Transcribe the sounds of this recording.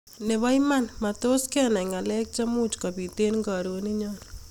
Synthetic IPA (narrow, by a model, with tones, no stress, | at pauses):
ne˨βa˦jma˦nmato˦skɛna˨ŋa˨lɛ˦k̚t͡ʃa˦mu˦t͡ʃka˨βi˨te˦nŋɡa˨ɾo˨ni˦ɲɔn